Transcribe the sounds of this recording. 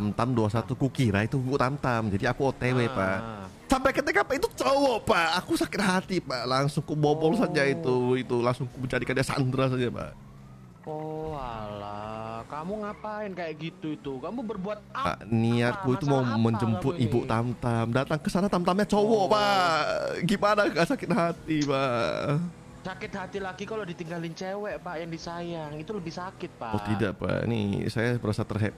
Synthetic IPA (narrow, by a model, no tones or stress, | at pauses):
amt̪amduasat̪ukukiɾait̪uibuʔt̪amt̪amd͡ʒadiakuot̪ewepa̰ʔ | sampajkət̪ekapait̪ut͡ʃowɔʔpaʔːkusakɪt̪̚ɦat̪ipaʔlaŋsʊŋkubobɔls̬ad͡ʒait̪uit̪ulaŋsʊŋkuməɲd͡ʒadikadiasa̰nd̪ɾas̬ad͡ʒapa̰ʔ | ɔalakamuŋapaɪnkajaʔɡit̪uit̪ukamubərbuat̪̚pa̰niat̪̚kuit̪umauməɲd͡ʒəmpʊt̪̚ibʊʔt̪amt̪amdat̪aŋkəsanat̪amt̪amɲat͡ʃowɔʔpaʔɡimanaɡasakɪt̪̚ɦat̪ipaʔ | sakɪt̪̚hat̪ilaɡikalodit̪iŋɡalɪnt͡ʃewɛʔpaʔjaŋdisajaŋit̪uləbɪhsakɪt̪̚paʔwɔht̪idaʔpa̰ʔḭnḭsajabəɾasat̪ərɦɛp̚